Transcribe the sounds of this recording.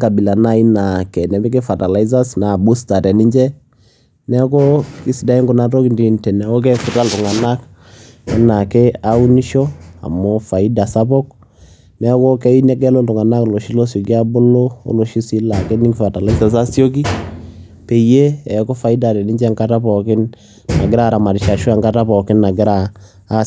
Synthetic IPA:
ka˨bi˨la˨na˦i˦na˨kɛ˨nɛ˨bɛ˦ke˦fa˨ta˨la˨i˦z̬a˦sna˨bu˦sta˨tɛ˨ni˦ɲd͡ʒɛ˦ | nɛ˦ko˦ki˦si˨da˨˦i˦ŋɡu˨na˨tɔ˦kndi˨ntɛ˨nɛ˨o˦k̬ɛ˦ku˨ta˦ltu˨ŋa˨na˦k | ɛ˦na˨kɛ˦a˦u˦ni˦ʃɔ˦a̰˨mɔ˦fa˨i˦da˨sa˦pɔ˦k | nɛ˦ko˦kɛ˦i˦na˦kɛ˦lo˦ltu˨ŋa˨na˦klo˨ʃi˦lo˦so˨ki˦a˦bo˦lo˦o̰˦lo˨ʃi˦si˦la˨ke˦ni˦ŋɡfa˨ta˨le˦sa˨s̬a˦sjo˦k̬i˦ | pe˨je˦ɛ˨˦ko˦fa˨i˦da˨dɛ˨ni˦d͡ʒɛ˦ŋka˦ta˦pɔ˨kɪ˦n | na̰˨ɡɪ˦ɾa˦ɾa˨ma˨di˨ʃa˨ʃu˦a˨ŋɡa˦ta˦pɔ˨kɪ˦na˨ɡɪ˦ɾaː˦˨˦

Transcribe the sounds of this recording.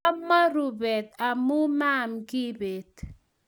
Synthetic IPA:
ma˦ɾu˨bɛ˨t̪a˨mu˦ma˦mɡɪ˦be˨t

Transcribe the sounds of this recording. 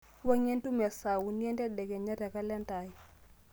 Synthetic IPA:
wa˦ŋe˦ntu˦mɛ˨sa˨wu˨ni˦ɛ˦ndɛ˦dɛ˨ɡɛ˨ɲa˦tɛ˨ka˦lɛ˦nta˨j

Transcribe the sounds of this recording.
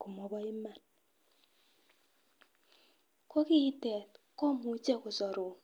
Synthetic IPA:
ku˨mɔ˨bɔ˦ɪ˦ma˦˨n | kɔ˦kɪ˦tɛ˨t | kɔ˦mu˨˦t͡ʃɛ˦kʊ˨sɔ˨ɾʊ˨

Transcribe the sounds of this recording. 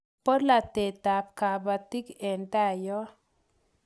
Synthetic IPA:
po˦dla˨t̪e˨t̪a˨p̚ka˨ba˨t̪i˦kɛ˨nta˦˨jɔ˦

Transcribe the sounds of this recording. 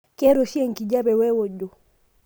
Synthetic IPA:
kɛ˦ɾɔ˨ʃi˦ɛ˦ŋ̩˨ki˨d͡ʒa˦βɛ˨wɛ˦wɔ˨ʄɔ˨

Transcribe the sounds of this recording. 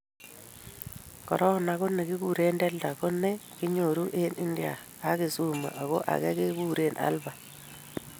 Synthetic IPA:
kɔ̰˨ɾʔɔ˦na˨ko˦ne˨ki˦ku˨ɾe˦ndɛ˦lda˨ko˦ne˦ki˦ɲo˨ɾu˦ʔe˦ni˦ndja̰˨ | a˦ki˨su˦ma̰˨ʔa˨ɣo˦ʔa̰˨kɛ˦ke˦ku˦ɾe˦˨nʔa̰˦lba˨

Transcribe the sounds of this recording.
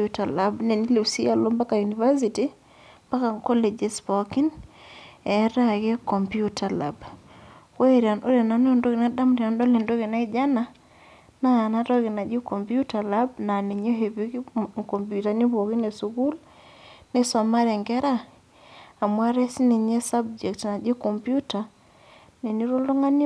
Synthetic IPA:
u˦ta˨labnɛ˨ni˦le˨si˦a˨lo˦mba˦ka˨ju˨ni˨va˦si˨ti | ba˦ka˨ŋkɔ˦le˨d͡ʒɛ˦spɔ˨ki˦n | ɛ˨˦ɾa˦ɡɛ˦kɔ˨mpiju˦tʰa˨la̰b | ko˦e˨ɾi˨a˨nʔo˦ɾa˨na˨n˦˨ndo˦ɡɪ˨na˦da˦mɾi˨a˨ndɔ˦le˨ndo˦ɣɪ˨na˦ɪ˦d͡ʒa˦na˦ | naː˦˨na˦tɔ˦ɡi˨na˨d͡ʒi˦ko˨mpu˦ta˨la˦bna˨ni˨ɲo˦ɦe˨bi˦kko˨mpju˨ta˨ni˦bo˨ki˦ne˨su˨ɡu˦l | ni˦so˨ma˦ɾe˨ŋɡɛ˦ɾaː˦˨ | mwa˦ɾe˦si˦ni˨ɲe˦sa˦b̚d͡ʒɛ˨ktna˨d͡ʒi˦ko˨mpju˦ta˨ | ne˨ni˦ɾo˦lo˦ŋa˦ni˦

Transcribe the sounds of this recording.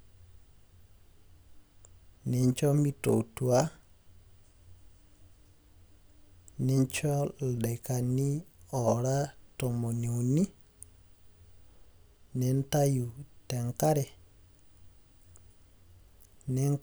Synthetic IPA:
nɛ˨ɲt͡ʃɔ˦mi˦to̰˨tu˨a˦ | nɛ˨ɲt͡ʃɔ˦lɗe˨ka˨ni˦ɔ˨ɾa˦to˨mo˨ni˨u˨ni˦ | nɛ˨n˦ta˦ju˨te˨ŋka˦ɾɛ˨ | nɛ˨ŋ

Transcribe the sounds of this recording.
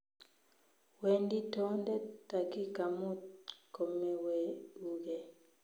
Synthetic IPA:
we˨ndi˦tɔ˦ndɛ˦ta˨ki˦ka˨mɔ˦kɔ˨mɛ˨wɛ˨u˨ɡɛ˨

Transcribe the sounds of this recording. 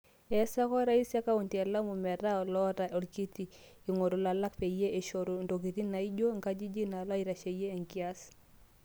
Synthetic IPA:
ɛ˨sa˦kɔ˦ɾa˦i˦sja˦ka˦u˨nti˨ɛ˨la˦mu˨mɛ˨ɾa˦ɔ˨lɔ˦ɾa˨ʔɔ˨lki˦ti˨ | i˨ŋo˨ɾo˨la˨la˦kpe˨je˦e˨ʃo˨ɾo˨ndo˨k̬i˨ti˦na˨i˦d͡ʒo˦ŋɡa˦d͡ʒi˦d͡ʒi˦na˨lwa˦i˨ɾa˨ʃe˨jeː˦˨ŋki˦a˦s

